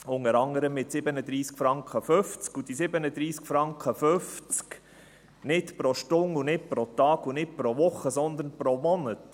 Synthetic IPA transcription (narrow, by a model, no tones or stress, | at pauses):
ʊŋəɾɑŋəɾəmːɪtsɪbənəd̪ɾiːskfɾɑŋkχəføft͡skud̥isɪbənəd̪ɾiːskfɾɑŋkʰχəføft͡sk | nɪtpɾɔʃtʊŋunɪt̚pɾɔt̪ɑːɡunɪt̚pɾɔʋʊχːəsɔnd̪ənpɾɔmɔnət